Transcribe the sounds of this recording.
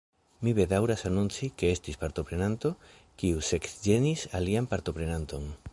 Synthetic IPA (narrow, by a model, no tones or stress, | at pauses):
miβe̞dawɾasanunt͡sike̞e̞stispaɾt̪o̞pɾe̞nant̪o̞ | kiuse̞ksd͡ʒe̞nisaliampaɾt̪o̞pɾe̞nanto̞n